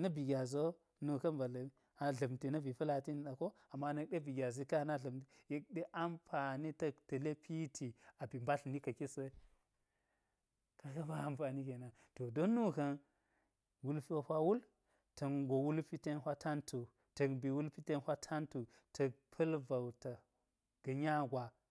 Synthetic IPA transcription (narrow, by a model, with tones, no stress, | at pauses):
nɐ˦bi˨ɡʲa˨zo˦ | nu˨kɐ˦nba˨l | a˨ɮɐ˨mti˨nɐ˦bi˨pɐ˦la˨ti˦ni˨ɗa˨ko˦ | a˨mːa˦nɐ˦k̚ɗe˦bi˨ɡʲa˨zi˦ka˦˨na˦ɮɐ˨mti˨je˦k̚ɗe˦ʔa˦mpa˨ni˦tɐ˦ktɐ˨le˦pʰi˦tʰi˨a˨bi˨mba˦ɬni˦kɐ˨ki˦sɐ˦ | ka˦ka˦ba˦a˨mpa˨ni˦ke˨na˨ | to˨do˦nːu˦kɐ˦n | wu˦lpi˦a˨hʷa˦wu˦l | tɐ˨ŋɡo˨wu˦lpi˦te˦nhʷa˦tʰa˦ntʰu˨ | tɐ˨kbi˨wu˦lpi˦te˦nhʷa˦tʰa˦ntu˨ | tʰɐ˨k̚pʰɐ˦lva˨wta˨ | ɡ̥ɐ˨ɲa˦ɡʷa˨